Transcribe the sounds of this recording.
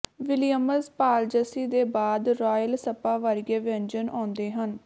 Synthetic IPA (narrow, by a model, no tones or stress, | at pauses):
ʋɪlɪjəməspaːld͡ʒəsiːd̪eːbaːd̪ɾɔːjəlsəpaːʋəɾɡeːʋɪənd͡ʒənʔã̰ːnd̪eːɦən